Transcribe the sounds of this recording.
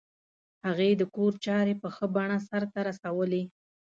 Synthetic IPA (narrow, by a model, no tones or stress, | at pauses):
haɣed̪əkoɾt͡ʃɑɾepəxəbaɳasaɾt̪aɾasawəli